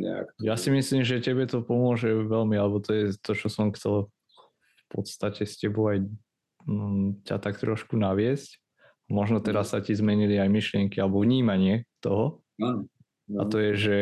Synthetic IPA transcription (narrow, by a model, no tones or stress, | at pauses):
ɛ̰a̰kjasimisliːmʒɛcɛbɛt̪ɔpɔmʊɔʒɛʋɛlmialɛbɔt̪ɔjɛt̪ɔt͡ʃɔsɔmxt͡sɛl | fpɔt̪st̪acɛscɛbɔʊaj | ca̰t̪akt̪ɾɔʃkunaʋɪɛsc | amɔʒnɔt̪ɛɾasːacizmɛɲiliajmiʃlɪɛŋkialɛbɔvɲiːmaɲɪɛt̪ɔɦɔ | a̰t̪ɔjɛʒɛ